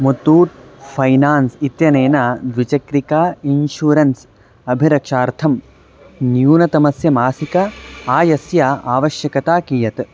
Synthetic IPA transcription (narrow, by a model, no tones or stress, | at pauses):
mut̪ːuːʈ̚pʰɐjnaːnsit̪jɐneːnɐd̪ʋit͡ʃɐkɾikaːinʃuːɾɐns | ɐbʱiɾɐkʂaːɾt̪ʰɐm | njuːnɐt̪ɐmɐsjɐmaːsikɐaːjɐsjaa̰ːʋɐʃjɐkɐt̪aːkiːjɐt̪